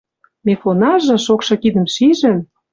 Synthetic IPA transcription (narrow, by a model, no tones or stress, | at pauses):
mefonɑʒɤ̆ʃokʃɤ̆kid̪ə̆mʃiʒə̆m